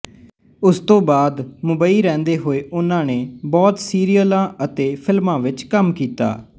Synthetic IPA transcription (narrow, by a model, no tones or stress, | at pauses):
ʊst̪õːbaːd̪mʊbaːiːɾɛ̃ːnd̪eːɦoːeːʔʊnãːneːbɔːt̪siːɾɪjəlãːət̪eːpʰɪlmãːʋɪt͡ʃkəmkiːt̪a̰ː